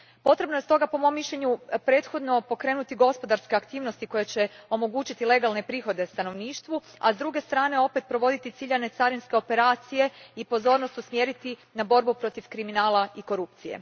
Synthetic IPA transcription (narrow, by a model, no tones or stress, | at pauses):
po̞t̪ɾe̞bnoe̞st̪o̞ɡapo̞mo̞mːiʃʎʲe̞ɲupɾe̞ːt̪xo̞d̪no̞po̞kɾe̞ːnut̪iɡo̞spo̞d̪aɾske̞akt̪iːʋnost̪iko̞jet͡ɕe̞o̞mo̞ɡuːt͡ɕit̪ile̞ɡalˠne̞pɾiːxo̞d̪e̞st̪ano̞ʋniːʃt̪ʋua̰zd̪ɾuɡe̞st̪ɾaːne̞o̞pe̞t̪̚pɾo̞ʋo̞d̪it̪it̪siʎane̞t̪saɾinske̞o̞pe̞ɾaːt̪sije̞ipo̞zo̞ɾnost̪usmjeɾit̪inabo̞ɾbupɾo̞t̪ifkɾiminaːlaiko̞ɾupt̪sijḛ